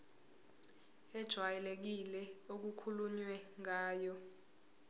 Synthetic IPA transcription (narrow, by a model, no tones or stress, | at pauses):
ɛd̥ʒ̥ʱwajɛlek̬ilɛok̬ukʰuluɲwɛŋaːjɔ